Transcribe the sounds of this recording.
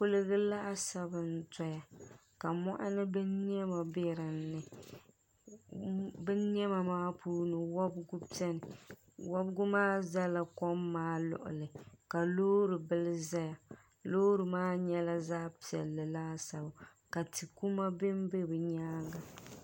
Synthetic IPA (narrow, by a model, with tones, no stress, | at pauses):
pʊ˦lɨ˦ɣɨ˦la˦ʔa˦sa˦bɨ˨n˦tɔ˨ja˨ | ka˨mɔ̰˦ʔa̰˦nɨ˦bɛ˦nɲ˦ɛ˦ma˨bɛ˦ɾɨ˨nːɨ˨ | bɛ˦nɲɛ˦ma˨maː˦puː˦nɨ˨wa˦bɡu˦pi˦ɛ˦nɨ˨ | wa˦bɡʊ˦maː˦za˦la˨kɔ˦mːaː˦lʊ̰˨ʔʊ̰˨lɨ˨ka˨loː˦ɾɨ˨bɨ˦lɨ˦za˦ja˨ | loː˦ɾɨ˨maː˦ɲɛ˦la˦zaː˦pi˨ɛ̰˨lːɨ˨la˦sa˨ba˨ | ka˨tʰi˨ku˦ma˦bɪ˦m˦be˦bɨ˨ɲaː˦ɡa˨